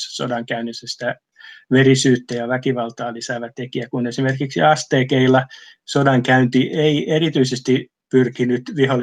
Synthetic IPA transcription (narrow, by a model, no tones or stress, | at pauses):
sso̰dɑŋkæynisːæsi̥t̪æ | ʋerisyːt̪ːejɑʋækiʋɑlt̪ɑːlisæːʋæt̪ekiækunesimerkiksḭɑst̪eːkeilːɑ | sodɑŋkæynt̪iʔeierit̪yisest̪i | pyrkinyt̪ʋihol